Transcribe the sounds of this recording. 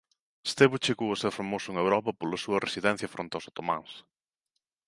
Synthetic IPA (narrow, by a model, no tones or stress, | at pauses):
st̪eβut͡ʃeɣowʊsɛwfamosʊeŋewɾɔpɐpolɐsuɐresiðɛn̟θjɐfɾʔõnt̪awsot̪omã̰ŋs